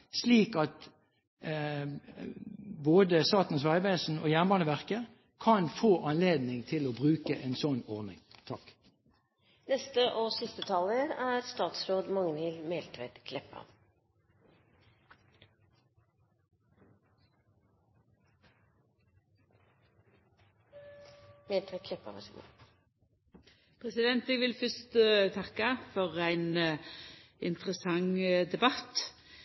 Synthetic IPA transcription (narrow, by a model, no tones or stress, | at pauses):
sliːkɑt̪ | boːd̪əst̪ɑːt̪n̩sʋæɪʋeːsn̩o̰ːjæʁnbɑːnəʋæʁkə | kʰɑnfoːʔɑnleːd̪nɪŋt̪ʰɪloːbʁʉːkəʔeːnsɔnɔʁnɪ̰ŋt̪ʰɑk | nɛst̪əʔosɪst̪ət̪ʰɑləæɾst̪ɑːt̪sɾoːd̪mɑŋnɪlmeːlt̪ʰʋɛt̪kʰlɛpːɑ̰ | meːlt̪ʰʋɛɪt̪̚kʰlɛpːɑ̰ʋɑ̰ʂɡṵː | pʰɾɛsɪd̪ɛnt̪ɛɡʋɪlfœst̪t̪ʰɑkːəfɔʁæɪn | ɪnt̪ʁəsɑŋd̪ɛbɑt̪